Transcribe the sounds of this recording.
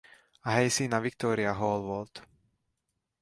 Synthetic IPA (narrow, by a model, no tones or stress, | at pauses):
aɦɛjsiːnaʋik̚t̪ɔːɾiaɦɔːlˠʋɔlt̪